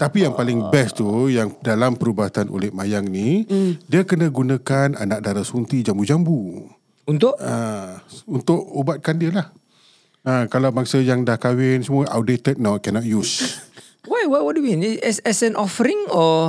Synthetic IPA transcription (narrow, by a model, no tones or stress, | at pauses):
t̪apijaŋpalɪŋbɛst̪ujaŋdalampəɾubaɦat̪anʔo̰lɛhmajaŋnidiəkənə̃ɡunãkana̰nak̚daɾasunt̪id͡ʒambud͡ʒambu | unt̪ʊʔa | unt̪ʊʔobat̪̚kandiəlah | akalawbaŋsəjaŋdahkawɪnsəmuəʔa̰wdet̪ət̪̚naw̚kɛnɔt̪̚jus | wajwajwɔt̚duwinɛsɛsɛ̃nʔɔfəɾĩŋɔ